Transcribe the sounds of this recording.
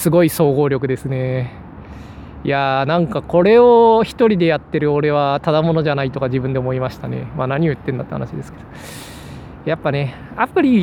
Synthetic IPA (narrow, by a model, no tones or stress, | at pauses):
sɨɡo̞iso̞ːɡo̞ːɾʲo̞k̬ɯ̟d̪e̞sɨne̞ | janãŋkako̞ɾe̞oçi̥t̪o̞ɾʲid̪e̞jat̪ːe̞ɾɯ̟o̞ɾe̞β̞at̪ad̪amo̞no̞ʑanait̪o̞kad͡ʑibɯ̟nd̪e̞omoimaɕi̥t̪ane̞̰manaɲ̟io̞jɯt̪ːẽ̞nd̪at̪ːehanaɕid̪e̞sɨ̥ked̪̥o̥ | japːane̞ | apːɯ̟ɾʲi